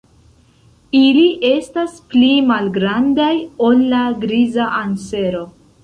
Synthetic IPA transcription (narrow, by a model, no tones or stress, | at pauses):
iliʔe̞stasplimalɡɾandajo̞lːaɡɾizaʔanse̞ɾo̞